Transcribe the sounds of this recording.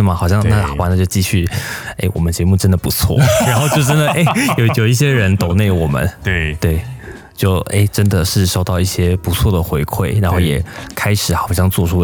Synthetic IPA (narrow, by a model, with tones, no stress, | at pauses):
mɐ˩xɑ˨˩ʊɕjɑ˥˧ŋna˥˧xɑ˨˩pa˥˧na˥˧t͡ɕjo˥˧ʊt͡ɕi˥˧ɕy˥˩e˥ɪwɔ̰˨˩mə˦nt͡ɕjɛ˧˥mu˥˩ʈ͡ʂə˥nd̪ə˨˩pu˧˥t͡sʰwɔ̰˥˩ɻa˧˥nxo˥˧ʊt͡ɕjo˥˧ʊʈ͡ʂə˥nd̪ə˨ʔe˥˩ɪjo˨ʊjo˨˩ʊi˥˩ɕjɛ˥ɻə˧˥nt̪o˨˩ŋne˥˩ɪwɔ˨˩mə̰˦nt̪we˥˩ɪ | t͡ɕjo˥˩ʊḛ˥˩ɪʈ͡ʂə˥nd̪ə˨ʂɻ̩˥˩ʂo˥˧ʊt̪ɑ˥˧ʊi˥˩ɕjɛ˥pu˧˥t͡sʰwɔ˥˩d̪ə˩xwe˧˥ɪkʰwe˥˩ɪɻa˧˥nxo˥˩jɛ˨˩kʰa˥ɪʂɻ̩˨˩˦xɑ˨˩ʊɕ̬jɑ˥˧ŋt͡swɔ˥˧ʈ͡ʂʰu˥